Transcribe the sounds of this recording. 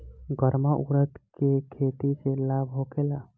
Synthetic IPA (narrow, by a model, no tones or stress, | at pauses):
ɡəɾmaʔuɾət̪kekʰet̪iselabʱɦokela